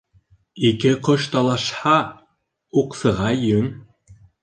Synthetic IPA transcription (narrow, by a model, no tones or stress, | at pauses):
ikɘqoʃt̪ɑlˠɑʃhɑ | uqsɤ̆ʁɑjɵŋ